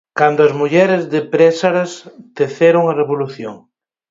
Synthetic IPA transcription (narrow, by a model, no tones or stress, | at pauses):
kand̪oɐzmuʎɛɾɪzðɪpɾɛsaɾɐst̪eθeɾoŋɐreβoluθjoŋ